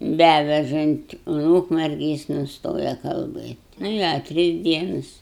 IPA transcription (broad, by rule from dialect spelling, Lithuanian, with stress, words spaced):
ˈbʲæʋʲɛʒɐnʲtʲ ʊn ˈuːkmʲɛrʲɡʲɪ ˈjɪs nʊˈstoːjɛ kɐlˠˈbɘtʲ ˈnʊ ɪ ɐ ˈtʲrʲɪs ˈdʲiɛnɐs